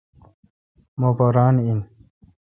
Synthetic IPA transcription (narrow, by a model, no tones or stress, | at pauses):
mopoɾɑːnin